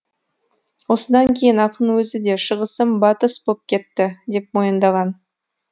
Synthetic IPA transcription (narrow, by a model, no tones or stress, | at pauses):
wo̞səd̪ɑŋkʲʰe̞jɪnɑqʰənwɵzɪd̪e̞ʃəʁəsəmbɑt̪əsbop̚kʲʰe̞t̪ːɪd̪e̞p̚mo̞jənd̪ɑʁɑn